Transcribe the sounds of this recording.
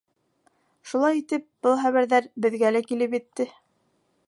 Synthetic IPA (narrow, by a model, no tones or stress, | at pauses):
ʃulˠɑjit̪ɘp̚b̥ɤlˠχæβæɾðæɾbɘ̆ðɡælækilɘp̬jɘ̆t̪ːɘ